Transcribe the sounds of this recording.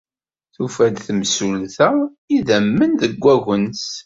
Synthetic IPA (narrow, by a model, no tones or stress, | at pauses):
θufæd̪θəmsulθæ | iðæmːənðəɡʷːæɣəns